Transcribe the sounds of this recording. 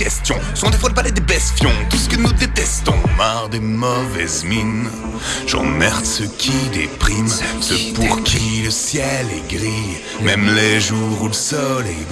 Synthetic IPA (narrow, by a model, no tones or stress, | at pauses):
ɛst̪jɔ̃sɔ̃d̪efwãd̪əpaʁled̪ebɛsfjɔ̃t̪usə̥kənud̪et̪ɛst̪ɔ̰̃maʁd̪emɔvɛzmin | ʒɑ̰̃mɛʁt̪səkʲʰid̪ḛpχimsəpuʁkʲʰiləsjɛlɛ̰ɡʁi | mɛmleʒuʁuləsɔle